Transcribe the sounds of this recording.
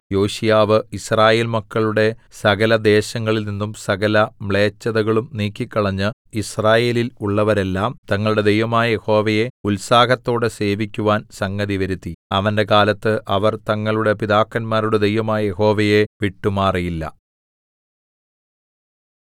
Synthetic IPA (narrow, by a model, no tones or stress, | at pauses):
jo̞ːɕijaːʋɨisraːje̞ːlmɐkːɐɭuɽe̞sɐɣɐlɐd̪e̞ːɕɐŋːɐɭilninːumsɐɣɐlɐmɭe̞ːt͡ɕːɐðɐɣɐɭumniːkʲːikːɐɭɐɲːɨ | israːje̞ːliluɭːɐʋɐɾe̞lːaːmt̪ɐŋːɐɭuɽe̞d̪e̞jʋɐmaːjɐjeho̞ːʋɐje̞ulsaːɦɐt̪ːo̞ːɽɨse̞ːʋikʲːuʋaːnsɐŋɡɐðiʋɐɾut̪ːiɐʋɐnde̞kaːlɐt̪ːɨʔɐʋɐrt̪ɐŋːɐɭuɽe̞piðaːkːɐnmaːɾuɽe̞d̪ejʋɐmaːjɐje̞ho̞ːʋɐje̞ʋiʈːumaːrijilːɐ̰